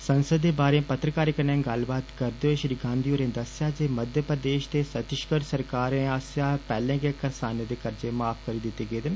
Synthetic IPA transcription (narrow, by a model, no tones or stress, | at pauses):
sənsəd̪ːeːbaːɾẽːpət̪ɾəkaːɾɪkənɛ̃ːɡəlbaːt̪kəɾd̪eoeːʃɾiːɡãːnd̪ioːɾẽːd̪əsjaːd͡ʒeːməd̪ʱjəpɾəd̪eːʃt̪eːsət̪ɪʃkəɾsəɾkaːɾẽːaːsjaːpɛːlẽːɡekəɾsaːneːd̪eːkəɾd͡ʒeːmaːpʰkəɾiːd̪ɪt̪ːeːɡeːd̪ɪn